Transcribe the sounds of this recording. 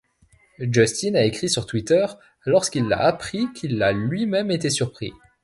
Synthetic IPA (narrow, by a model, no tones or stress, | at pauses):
d͡ʒɔst̪inaekχisyʁt̪wit̪œʁ | lɔʁskilːa̰apχikʲʰilːalɥimɛmet̪esyʁpχḭ